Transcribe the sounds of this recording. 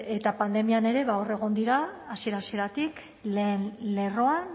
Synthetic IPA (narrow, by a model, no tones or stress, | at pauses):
e̞t̪apand̪e̞miane̞ɾe̞βao̞re̞ɣ̞o̞nd̪iɾaːsie̞ɾasieɾat̪ik | le̞ːnle̞ro̞an